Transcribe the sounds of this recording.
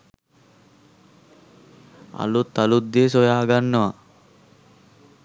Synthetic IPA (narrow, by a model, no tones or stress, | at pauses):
a̰lut̪ːalud̪ːiesojaːɡanːəʋa